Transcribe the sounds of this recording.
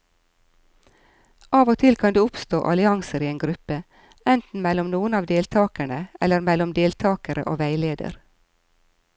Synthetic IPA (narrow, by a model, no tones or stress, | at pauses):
ʔɑːʋoːt̪ʰɪlkʰɑnd̪ʉːʊpst̪oːʔɑlɪɑŋsəɾiːeːŋɡɾʉpə | ɛnt̪n̩mɛlɔmnuːənɑːʋd̪eːlt̪ʰɑːkæɳəɛləɾmɛlɔmd̪eːlt̪ʰɑːkəɾə̰ʔo̰ːʋæɪleːd̪ə̰ɾ